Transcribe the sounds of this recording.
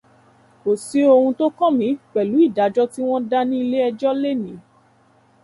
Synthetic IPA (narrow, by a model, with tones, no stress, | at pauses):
o˨si˨˦o˧hũ˧to˦kɔ̃˦˨mĩ˨˦k͡pɛ˨lu˨˦i˦˨da˨˦d͡ʒɔ˦ti˦w̃ɔ̃˦da˦nĩ˦i˧le˦ɛ˧d͡ʒɔ˦le˦˨nĩ˨˦